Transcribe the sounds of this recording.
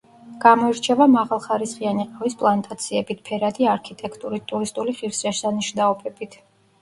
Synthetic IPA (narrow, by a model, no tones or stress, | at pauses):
ɡ̥amɔiɾt͡ʃʰɛvamaʁalˠχaɾisχianiqʼavispʼlˠant̪ʼat̪sʰiɛbit̪̚ʰpʰɛɾad̪iaɾkʰit̪ʼɛkʰt̪ʼuɾit̪ʼuɾist̪ʼuliχiɾsɾaʃsaniʃnaɔbʰɛbit̪ʰ